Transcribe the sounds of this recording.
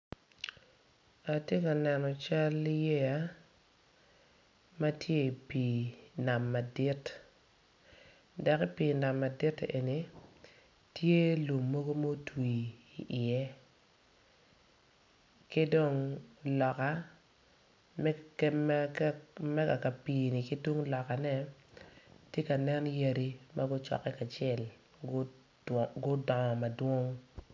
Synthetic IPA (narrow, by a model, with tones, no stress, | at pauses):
a˨tje˦ka˨nɛ˨nɔ˨t͡ʃa˦li˦je˦ja˦ | ma˦tje˦i˨pi˨na˨mːa˨di˦t | da˨kɪ˦pi˨na˨mːa˨di˦tʔe˨ni˨ | tʰje˦lo˨mːo˦ɡo˦mo˦twi˨i˨ʔɪ˨ɛ˦ | kɪ˦do˦ŋlɔ˨ka˦ | mɛ˦kɛ˦mm˦mɛ˦ɡa˨ka˨piː˨ni˨kɪ˦do˦ŋlɔ˨ka˨nɛ˦ | tje˦ka˨nɛ˦nja˦ɾi˦ma˦ɡʊ˦t͡ʃɔ̰˨kːɛ˦ka˨t͡ʃɪɛ˦˨l | ɡʊ˦dɔ˨ŋɔ˨ma˨dwo˦ŋ